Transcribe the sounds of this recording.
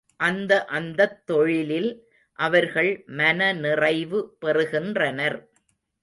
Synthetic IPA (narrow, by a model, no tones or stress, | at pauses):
ʔɐnd̪ɐʔɐnd̪ɐt̪ːɔɻɪlɪl | ʔɐʋɐɾɣɐɭmɐnɐnɪrɐɪʋɯpɛrɯɣɪndrɐnɐɾ